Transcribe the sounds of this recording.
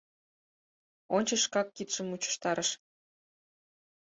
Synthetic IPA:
onʲt͡ɕə̆ʃkɑkːit̪ʃə̆mut͡ɕə̥ʃt̪ɑɾəʃ

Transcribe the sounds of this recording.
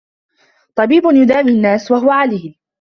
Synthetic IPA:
t̪ˤɑbiːbʊnjʊd̪aːminːaːswaɦʊwaʕaliːn

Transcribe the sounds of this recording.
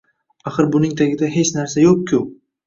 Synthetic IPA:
aχɨɾbʊnɪŋt̪ʰaɡʲɪd̪aɦe̞t͡ʃnaɾsajoq̚kʲʰːʊ

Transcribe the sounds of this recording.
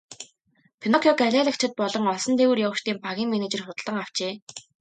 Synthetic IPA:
pʰinɔkʲʰɔɡæɮʲæːɮə̆k̚t͡ɕʰɪ̆t̪̚pɔɮɞ̆ŋɔɮsɞ̆nt̪ʰewɘrjawə̆ʃt̪iːmpaɣʲiːŋmeneːt͡ɕĕrχʊt̪̆ɮə̆ŋaw̥t͡ɕeː

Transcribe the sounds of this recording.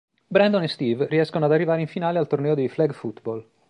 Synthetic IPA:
bɾɛnd̪onest̪iːvriɛskonoad̪arːivaːɾeiɱfinaːlealt̪ornɛːod̪ejflɛɡfut̪bol

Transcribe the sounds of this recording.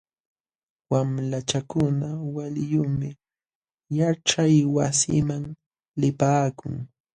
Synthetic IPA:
wamlat͡ʃakʊnawaljʊmɪ | jaʈ͡ʂajwasɪ̰maŋ | lɪpaːkʊ̰ŋ

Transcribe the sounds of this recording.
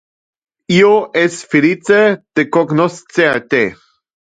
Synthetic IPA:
ioʔesfelit͡set̪ekoɡnost͡seat̪e

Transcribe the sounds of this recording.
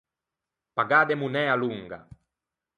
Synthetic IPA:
paɡad̪emunɛaluŋɡa̰

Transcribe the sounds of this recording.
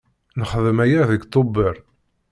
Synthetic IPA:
nəχðəmæjæðəɡt̪ˤːobːeɾˤ

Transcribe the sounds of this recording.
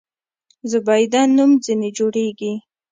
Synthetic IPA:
zʊbajd̪anːumzined͡ʒoɽeɡi

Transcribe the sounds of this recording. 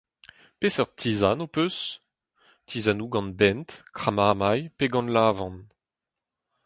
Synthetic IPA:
pesœʁt̪ʰiːzanopøs | t̪ʰizanuɡɑ̃nbɛntkχamaːmajpeɡɑ̃nlaːvɑ̃n

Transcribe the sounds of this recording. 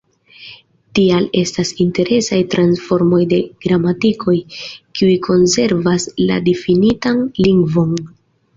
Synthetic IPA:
tiale̞stasinte̞ɾe̞sajtɾansfo̞ɾmo̞jde̞ɡ̥ɾamatikʰo̞jkiujkʰo̞nse̞ɾvasla̰difinitanliŋɡvo̞n

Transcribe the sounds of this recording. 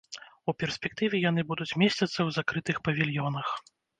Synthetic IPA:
upʲɛrsʲpʲɛk̚t̪ɨvʲɛjanɨbud̪ut͡sʲmʲɛsʲt͡sʲɐt̪sːɐwzakɾɨt̪ɨxpɐvʲilʲjɔnɐx

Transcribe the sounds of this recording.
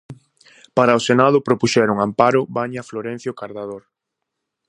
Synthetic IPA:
paɾaʊsenað̞ʊpɾopuʃɛɾʊŋampaɾʊβaɲafloɾɛ̃n̟θjokaɾðaðoɾ

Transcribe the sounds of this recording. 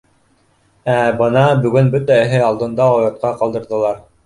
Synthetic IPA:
æbɤnɑbɵ̆ɡɵnbɵt̪æɘ̆ɦɘɑlˠd̪ɤ̆nd̪ɑɑjɤ̆t̪̚qɑqɑld̪ɤ̆ɾðɤ̆lˠɑɾ

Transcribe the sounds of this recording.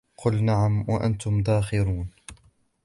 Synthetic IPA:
qʊlnaʕamwaʔa̰nt̪ʊmd̪aːxɪɾuːn

